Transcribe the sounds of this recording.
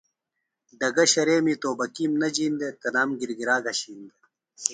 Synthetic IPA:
ɖɐɡɐɕɐɾeːmit̪oːbɐkimnɐd͡ʑiːnd̪et̪ɐnaːmɡiɾɡiɾaːɡɐɕiːnd̪e

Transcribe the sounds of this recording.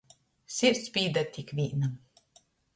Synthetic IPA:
sʲiɾt̪sʲpʲiːd̪at̪ʲikvʲiːna

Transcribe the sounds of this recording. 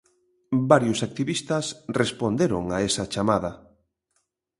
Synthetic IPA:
baɾjʊsak̚t̪iβist̪ɐsrespond̪eɾo̰ŋaesɐt͡ʃamaðɐ

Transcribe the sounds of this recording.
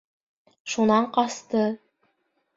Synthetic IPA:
ʃunɑɴqɑst̪ɤ

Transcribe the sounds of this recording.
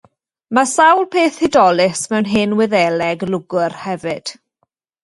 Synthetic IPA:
masawlˠpʰeːθhɪdɔlɪsmɛwnɦɪnwɪðɛlɛɡlʊɡʊrhɛvɨd̥

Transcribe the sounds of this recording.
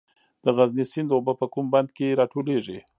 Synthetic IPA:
d̪̥əɣaznisɪnd̪obəpəkumband̪keɾɑʈoleʐi

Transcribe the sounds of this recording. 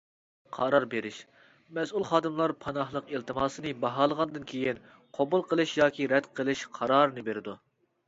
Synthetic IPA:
qʰɑɾɑɾbeɾɪʃ | mɛsulˠχɑːd̪ɨmlˠɑɾpʰɑnɑhlˠəqilt̪ʰɨmɑːsɨnɨbɑɦɑːlˠəʁɑnd̪ɨnkʲʰejin | qʰobulˠqʰəlˠɨʃjɑːkʲʰiɾɛd̪qʰəlˠɨʃqʰɑɾɑːɾɨnɨbeɾɪd̪u

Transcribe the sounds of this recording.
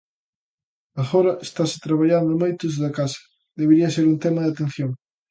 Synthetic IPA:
ɐfoɾɐʔest̪asɪ̥t̪ɾaβaʎand̪ʊmojt̪ʊz̬ðɐkasɐ̥ | ðeβeɾiɐseɾunt̪ɛmɐðat̪en̟θjoŋ

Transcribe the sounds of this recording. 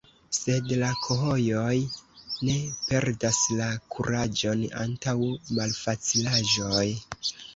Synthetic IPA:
se̞dlakʰo̞ɦo̞jo̞jne̞pe̞ɾdaslakʰuɾad͡ʒo̞na̰ntawmalfat͡silaʒo̞j

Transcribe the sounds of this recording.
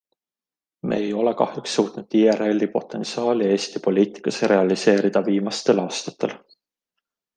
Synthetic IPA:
me̞̰ːjo̞le̞kɑ̰hjuksːuːt̪nud̪iːere̞lʲːipo̞̰t̪ːˑe̞nsɑːlie̞ːst̪ipo̞lʲiːt̪ˑi̥kːˑɑseɾe̞ɑlise̞ːɾid̪̥ɑviːmɑst̪e̞lɑːst̪ɑ̥t̪ʰːˑe̞l

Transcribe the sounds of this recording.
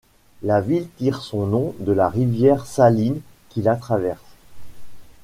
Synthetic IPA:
lavilt̪iʁsɔ̃nɔ̃d̪əlaʁivjɛʁsalin | kʲilat̪χavɛʁs

